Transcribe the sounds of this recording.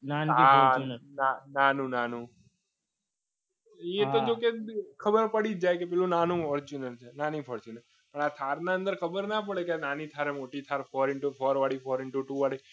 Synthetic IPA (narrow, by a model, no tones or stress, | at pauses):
nanɦannananũnanũ | et̪od͡ʒokekʰəbəɾpəɽid͡ʒajkepɛlũnanũɔɾid͡ʒinəlt͡ʃʰenanĩfʰɔɾt͡ʃʰune | pəɳat̪ʰaɾnãə̃nd̪əɾkʰəbəɾnap̬əɭekananit̪ʰaɾemoʈit̪ʰaɾfʰɔɾɪɳʈufʰɔɾʋaɽifʰɔɾɪɳʈuʈuʋaɽi